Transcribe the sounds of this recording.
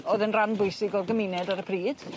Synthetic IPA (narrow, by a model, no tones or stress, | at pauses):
ɔðənranbʊjsɪɡɔrɡəmɪnɛdaɾəpʰriːd̥